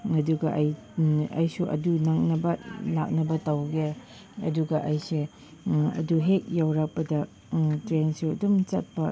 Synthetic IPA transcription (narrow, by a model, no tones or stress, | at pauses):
ɐduɡɐʔɐj | ɐ̰jsuʔɐ̰dunaŋ̚nɐbɐlak̚nɐbɐtɐwɡe | ɐduɡɐʔɐjse | ɐ̰duɦek̚jawɾak̚pɐdɐ | tɾensiɐdumt͡ʃɐ̰t̚pɐ